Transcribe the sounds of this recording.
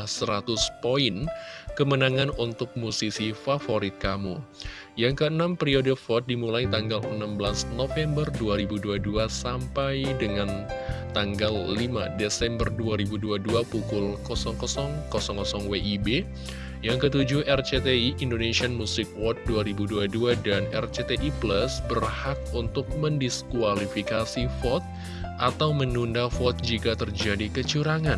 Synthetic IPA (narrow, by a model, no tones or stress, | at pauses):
səɾat̪ʊspoɪnkəmənaŋanunt̪ʊk̚musisifafoɾɪt̪̚kamu | jaŋkəənampəɾiodəfɔt̪̚dimulajt̪aŋɡalə̰nambəlasnofɛmbərduaɾibuduaduasampajdəŋan | t̪aŋɡalːimadesɛmbərduaɾibuduaduapukʊlkɔsɔŋkɔsɔŋkɔsɔŋkɔsɔŋweʔibe | jaŋkət̪ud͡ʒʊhɛrt͡ʃet̪eiʔindonesianmusɪk̚wɔt̪̚duaɾibuduaduadanɛ̰rt͡ʃet̪eʔipləsbərhak̚unt̪ʊk̚məndiskualifikasifɔt̪̚ | ʔat̪awmənundafɔt̪̚d͡ʒikat̪ərd͡ʒadikət͡ʃuɾaŋan